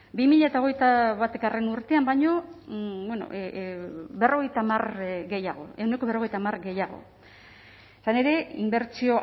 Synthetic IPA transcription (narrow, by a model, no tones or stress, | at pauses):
bimiʎaet̪ao̞ɣ̞e̞jt̪aβat̪ekare̞nuɾt̪e̞ambajɲo̞bweno̞̰ | βe̞ro̞ɣ̞e̞jt̪amarɡe̞ja̰ɣ̞o̞̰e̞wne̞koe̞ro̞ɣ̞ejt̪amaɾɡe̞jaɣ̞o̞̰ | esane̞ɾe̞imbe̞ɾt͡ʃio̞